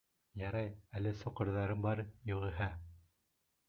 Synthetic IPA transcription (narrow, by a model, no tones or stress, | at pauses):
jɑɾɑjælɘsŏqɤ̆ɾðɑɾɤmbɑɾjŏʁɘ̆ɦæ